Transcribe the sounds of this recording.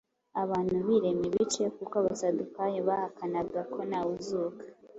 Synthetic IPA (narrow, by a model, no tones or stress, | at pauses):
aβaːn̥huβiɾe̞miβit͡ʃe̞kukaβasadukajoβahakanaɡakʰo̞nawuzukḁ